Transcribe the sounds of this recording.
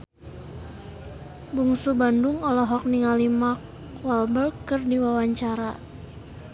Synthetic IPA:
buŋsubanduŋɔlɔɦɔk̚niŋalimak | walbərkːɨrdiwawaɲt͡ʃaɾa

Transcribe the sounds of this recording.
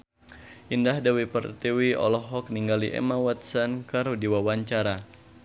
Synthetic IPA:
ʔindahdawipərt̪iwiɔ̰lɔɦɔk̚niŋɡaliʔɛ̰mawat̪̚sankaɾudiwawaɲt͡ʃaɾa

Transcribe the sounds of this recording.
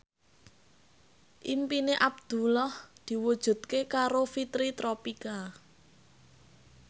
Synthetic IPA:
ʔimpineʔab̚d̪̥ṳlɔhd̪̥i̤wud̥ʒ̥ṳd̪̥̚kekaɾofit̪ɾit̪ɾopika

